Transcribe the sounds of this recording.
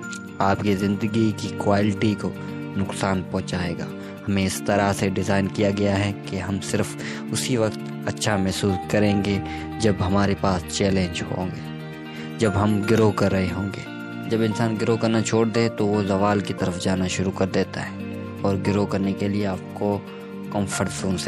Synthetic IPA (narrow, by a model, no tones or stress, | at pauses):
aːpkizɪ̃nd̪əɡikikwaːlɪʈiko | nʊksaːnpɔ̃ɦt͡ʃaːeːɡa̰ː | hɐmẽɪst̪ɐɾaseɖɪzaːɪnkijaɡɐjaɦɛkeɦɐmsɪɾf | ʊsiʋɐqt̪ | ɐtːʃʰamɛɦsuːskɐɾẽːŋɡe | d͡ʒɐbɦɐmaːɾepaːst͡ʃɛːlẽːɲd͡ʒɦõ̰ːŋɡeː | d͡ʒɐbɦɐmɡɪɾokɐɾːɐɦeɦõːŋɡeː | d͡ʒɐbɪ̃nsaːnɡɪɾokɐɾnat͡ʃʰoːɽd̪et̪oʋozɐʋaːlkit̪ɐɾəfd͡ʒaːnaʃʊɾukɐɾd̪eːt̪aɦɛː | ɔːɾɡɪɾokɐɾnekelieaːp̚ko | kɔ̃ːnfəɾsuːns